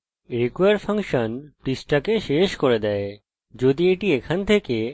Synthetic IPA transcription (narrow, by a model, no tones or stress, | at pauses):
ɾikjaɾfʰaŋʃənpʈisʈakeʃeʃkoɾed̪ɛe | d͡ʑod̪ieʈiekʰant̪ʰeke